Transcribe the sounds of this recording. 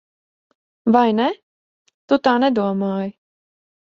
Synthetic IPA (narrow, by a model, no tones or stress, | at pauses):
vajnɛ | t̪ut̪aːnɛd̪uɔmaːj